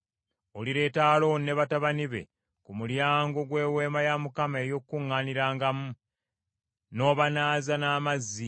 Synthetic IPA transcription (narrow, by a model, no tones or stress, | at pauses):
o̞liɾe̞ːtaːlo̞ne̞βataβaniβe̞̰ | kumuljaːŋɡo̞ɡwe̞ːwe̞ːmajamukamae̞jo̞kːuŋːaːniɾaːŋɡamu | no̞ːβanaːzanaːmazːi